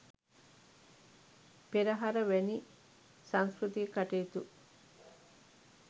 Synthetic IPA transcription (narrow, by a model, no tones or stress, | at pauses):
piɾɐɦɐɾɐʋeni | sɐŋskɾut̪ikaʈeːt̪u